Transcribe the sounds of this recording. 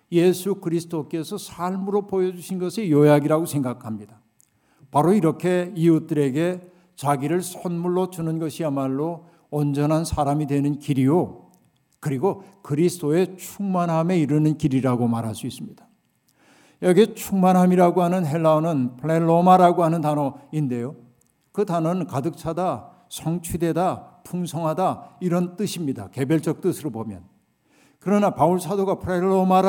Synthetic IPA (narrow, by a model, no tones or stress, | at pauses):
je̞sʰukɯɾisʰɯt͈ok͈e̞sʰʌsʰaɭmɯɾopojʌd͡ʑuɕʰinɡʌsʰejʌjaɡiɾaɡosʰe̞ŋɡakʰamɲid̥a | paɾoiɾʌkʰe̞iut͈ɯɾe̞ɡe̞ | t͡ɕaɡiɾɯɭsʰʌnmuɭːot͡ɕunɯnɡʌɕʰiamaɭːo | ʌnd͡ʑʌnɦansʰaɾamidwe̞nɯnkiɾijo | kɯɾiɡokɯɾisʰɯdoe̞t͡ɕʰuŋmanɦame̞iɾɯnɯnkiɾiɾaɡomaɾɦaɭs͈uis͈ɯmɲid̥ḁ | jʌɡet͡ɕʰuŋmanɦamiɾaɡoɦanɯnɦe̞ɭːaonɯnpʰɯɭe̞ɭːomaɾaɡoɦanɯntanʌinde̞jo | kɯtanʌnɯnkadɯk̚t͡ɕʰada | sʰʌŋt͡ɕʰide̞dapʰuŋsʰʌŋɦadaiɾʌnt͈ɯɕʰimɲida̰ke̞beɭt͡ɕ͈ʌk̚t͈ɯsʰɯɾobomjʌ̰n | kɯɾʌnapauɭsʰadoɡapʰuɭeɭːomaɾ